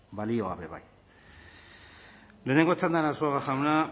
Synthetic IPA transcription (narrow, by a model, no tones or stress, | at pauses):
balioa̰βeβa̰j | leneŋɡot͡sʰand̪aɾasuaɣaxawna